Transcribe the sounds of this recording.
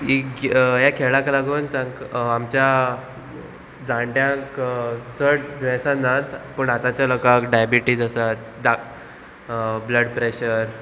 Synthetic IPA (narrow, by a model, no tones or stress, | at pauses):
ikɡjakʰeɭãkalaɡuːnt͡sãŋkamt͡ɕja | d͡zãɳʈjãkd͡zəɽd̪ʋɛ̃sãnd͡zat̪pəɳat̪at͡ɕjalɔkakɖajabiʈiːd͡zasat̪̚ | d̪a | bləɖpɾeɕəɾ